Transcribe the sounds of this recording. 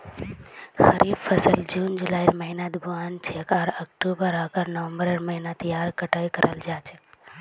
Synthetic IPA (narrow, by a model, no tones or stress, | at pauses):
xɐɾʔiːbfɐsəld͡ʒuːnd͡ʒulaːiɾmɐɦinad̪bʱuaːnt͡ʃʰeːkaːɾɐk̚ʈuːbəɾaːkaɾnəʋə̃mbəɾəɾmɐɦinat̪ɐjaːɾkɐʈaːikɐɾʔəld͡ʒaːt͡ʃʰek